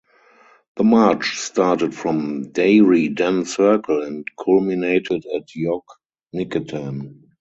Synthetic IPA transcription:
ðəmat͡ʃstaːtətfɹɔ̃mdeɪɹidæ̃nsɜ˞kʰəlɛ̃ntkʰɔlmineɪtʰɪdætʰjɔk | nɪkətʰãm

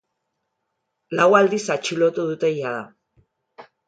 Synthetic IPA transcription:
lawald̪isat͡ʃilo̞t̪uðut̪e̞jaða

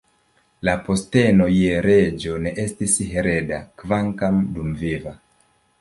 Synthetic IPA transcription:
lapo̞ste̞no̞jeɾe̞d͡ʒo̞ne̞ʔe̞stisɦeɾe̞dakvaŋkamdumviva

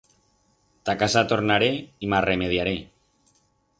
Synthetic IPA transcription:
t̪akasat̪oɾnaɾeimaremeðjaɾe̞

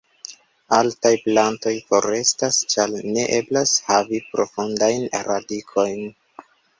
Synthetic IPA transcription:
altajplanto̞jfo̞ɾe̞stast͡ʃalne̞ʔe̞blashavipɾo̞fundajnɾadikʰo̞jn

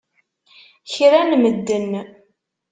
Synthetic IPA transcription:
çɾænməd̪ːən

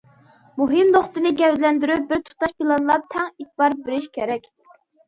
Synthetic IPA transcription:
muɦɨmd̪oχt̪ɨnɨɡʲɛvlɛnd̪yɾyp̚bɪɾt̪ʰu̥t̪ɑʃpʰilˠɑnlˠɑp̚t̪ʰɛŋit̪̚ʰbɑɾbɪɾɪʃkʲʰeɾɛkʲ

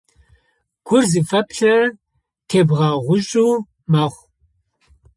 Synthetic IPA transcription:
ɡ̥ʷʊrzɨfɐpʰɬɐ | tʰeːbʁɑːʁʷʊɕʼuː | maːχʷ

